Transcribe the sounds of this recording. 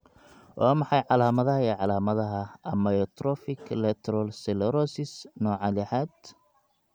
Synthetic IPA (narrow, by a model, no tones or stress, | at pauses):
wʔɑːmɑħɑjʕɑlaːmɐðɐɦɐiːʕɑlaːmɐðɐɦɐɐmɐjɔt̪ʰɾɔfɪkʰlɛt̪ʰɾɔlsɛlɛɾɔsɪsnɔːʕɑlɪħaːd̪